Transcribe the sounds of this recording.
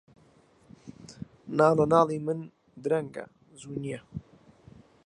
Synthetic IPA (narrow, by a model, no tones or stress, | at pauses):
naːlonaːlimɨn | d̪ɾɐŋɡa̰ | zunia